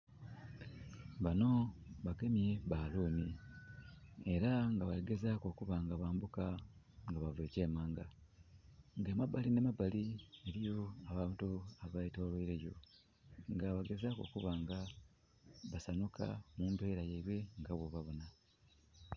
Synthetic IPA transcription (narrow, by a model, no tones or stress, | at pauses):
βano̞βake̞mje̞βaluːni | e̞ɾaŋɡaβaɾeɡe̞zako̞kuβaŋɡaβaːmbuka | ŋɡaβavwe̞ːce̞ːmaːŋɡa | ŋɡeːmabaline̞mabalieɾijo̞aβaːntuaβaitoːlweiɾejo̞ | ŋɡaβaɡe̞zako̞̰kuβaŋɡa | βasanuka̰muːmbe̞ːɾajeiβwe̞ŋɡaβwoβaβona